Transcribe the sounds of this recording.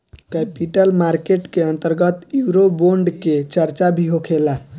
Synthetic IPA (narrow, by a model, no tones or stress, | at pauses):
kɛpiʈəlmaɾkeʈkeənt̪əɾɡət̪juɾoboɳɖket͡ʃəɾt͡ʃabʱiɦokʰela